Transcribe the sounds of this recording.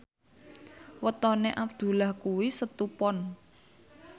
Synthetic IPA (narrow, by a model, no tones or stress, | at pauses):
wət̪ɔneʔap̚d̪̥ṳlahkuwisət̪upɔn